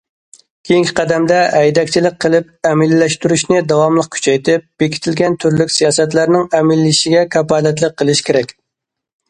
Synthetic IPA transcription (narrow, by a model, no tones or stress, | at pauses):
kʲʰejiŋkʲʰɪ̥qʰɛd̪ɛmd̪ɛɛjd̪ɛkʲt͡ʃʰilɪk̚ʲqʰːəlˠɪp̚ɛmɪlːɛʃt̪yɾyʃnɪd̪ɑwɑmlˠəq̚kʲʰy̥t͡ʃʰɛjt̪ʰɪp̚b̥ekʲi̥t̪ʰɪlɡʲɛnt̪ʰyɾlykʲsijɑːsɛt̪̬læɾnɪŋɛmɪlːɪʃiɡʲɛkʰɑpɑlɛt̪lˠəq̚qʰːəlˠɪʃkʲʰeɾɛkʲ